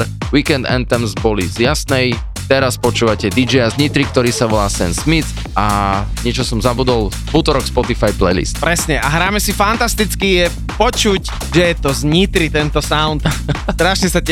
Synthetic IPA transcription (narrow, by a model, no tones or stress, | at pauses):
ɾwikɛnd̪ɛ̰nt̪ɛmzbɔlizjasnɛj | t̪ɛɾaspɔt͡ʃuːʋacɛd̪id͡ʒɛjazɲit̪ɾik̚t̪ɔɾiːsaʋɔlaːsɛnsmit͡s | aɲɪɛt͡ʃɔsɔmzabud̪ɔl | ut̪ɔɾɔkspɔt̪ifajplɛ̰jlḭst̪̚pɾɛsɲɛʔaɦɾaːmɛsifant̪ast̪it͡skijɛ | pɔt͡ʃuc | ʒɛjɛt̪ɔzɲit̪ɾit̪ɛnt̪ɔsaʊnt̪t̪ɾaːʃnɛsacɛ